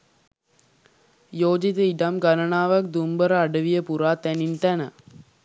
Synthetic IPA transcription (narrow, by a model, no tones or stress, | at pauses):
joːd͡ʒit̪əiɖamɡanəɳaːʋɐk̚d̪umbəɾəaɖəʋijəpuɾaːt̪ænint̪ænə